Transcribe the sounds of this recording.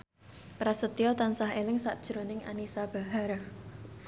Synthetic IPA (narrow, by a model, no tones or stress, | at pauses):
pɾasət̪iɔt̪ansaɦelɪŋsa̰ʔd̥ʒ̥ɾonɪŋʔa̰nisab̥a̤ɦaɾ